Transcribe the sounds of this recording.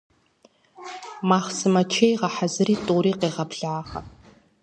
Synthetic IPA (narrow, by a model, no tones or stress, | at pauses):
maːχsɨmɐt͡ʃʰejʁɐħazɨriːtʼuːɾiːqeːʁɐpɮaːʁɐ̰